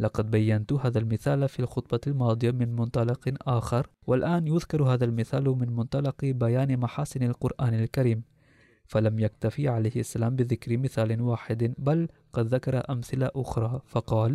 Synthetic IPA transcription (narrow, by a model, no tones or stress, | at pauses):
lɑqɑd̪̚bajːant̪ʊhaːðalmɪθaːlfiːlxʊt̪̚ˤbɑlmɑːd̪ˤɨjamɪnmʊnt̪ˤɑlɑqʔaːxɑɾˤ | walʔaːnjʊðkɑɾˤhaːðalmɪθaːlmɪnmʊnt̪ˤɑlɑqbajaːnmaħaːsɪnalqʊɾˤʔaːnalkaɾiːm | falamjak̚t̪afiʕalajhʔasːalaːmbɪðɪkɾɪmɪθaːlɪwaːħɪd̪balqɑd̪ðakɑɾˤɑʔamθɪlaʔʊxɾˤɑːfɑqɑːl